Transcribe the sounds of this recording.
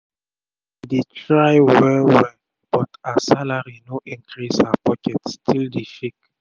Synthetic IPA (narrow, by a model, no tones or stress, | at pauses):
ditɹajwɛwɛ | b̥ɔtasalaɹinoʔĩŋkʰɹisapɔkɛtstʰildifik̚